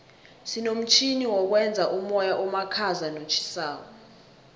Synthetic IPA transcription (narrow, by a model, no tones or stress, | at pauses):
sinom̩t͡ʃʰiniwɔk̬wɛnd͡zʱaʔumɔjaʔɔmakʰazanot͡ʃʰi̥saːk̬ɔ